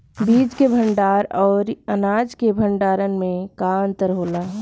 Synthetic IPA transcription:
biːd͡ʒkebʱə̃ɳɖaːɾɔːɾənaːd͡ʒkebʱə̃ɳɖaːɾənmẽkant̪əɾɦoːlaː

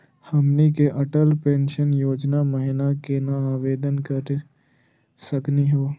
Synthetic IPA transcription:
hɐmnikeʔɐʈəlpẽːnʃənjoːd͡ʒnaməɦɪnakenaaːʋeːd̪ənkəɾ | sɐkniɦoː

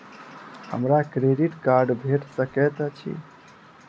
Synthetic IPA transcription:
hə̰mɾakɾeɖiʈkaɾɖbʱeʈsəkɛt̪t͡ʃʰḭ

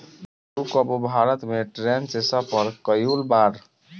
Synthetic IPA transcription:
ɾukɔbubʱaɾət̪meʈɾensesapəɾkəjulbaɾ

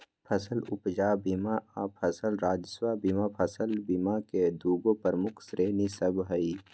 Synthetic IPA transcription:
pʰɐsəlʊpd͡ʒaːbimaapʰəsəlɾaːd͡ʒswabimapʰəsəlbimaked̪uːɡõpəɾmʊkʰsɾeːnisəbɦəi

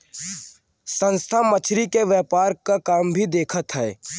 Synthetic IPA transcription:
sə̃nst̪ʰamət͡ʃʰɾikeʋjɛːpaːɾkakaːmbʱid̪eːkʰət̪ɦɛː

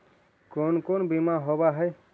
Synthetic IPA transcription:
konkonbimaɦobaɦəj

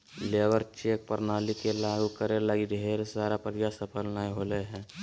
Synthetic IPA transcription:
leːʋəɾt͡ʃeːk̚pəɾnaːlikelaːɡukəɾelaɡiɖʱeːɾsaːɾapəɾjasəpʰəlnaeɦoːleɦɛ̃ː

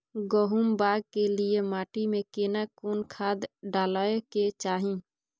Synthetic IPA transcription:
ɡoɦumbaːɡ̚kelɪemaːʈimẽkeːnakuːnkʰaːd̪ɖaːlaeket͡ʃaːɦĩː

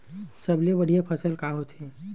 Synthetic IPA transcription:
sɐbliebɐɽ̤ijapʰəsəlkaɦot̪ʰẽ

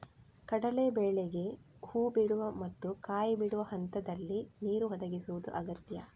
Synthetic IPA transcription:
kɐɽɐlebɛːɭeɡe̞huːbiɽuʋɐmɐt̪ːukaːjibiɽuʋɐhɐnt̪ɐd̪ɐlːiniːɾuɦɔd̪ɐɡisuʋud̪ṵʔɐɡɐt̪jɐ

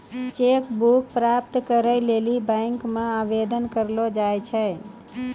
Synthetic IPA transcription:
t͡ʃekbuk̚pɾap̚t̪kəɾəjlelibə̃ŋkmãabed̪ənkəɾlod͡ʒajt͡ʃʰɛ

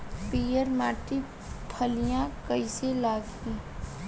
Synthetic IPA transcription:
piːjəɾmaːʈi | pʰəlijãkəiselaːɡt̪ĩː

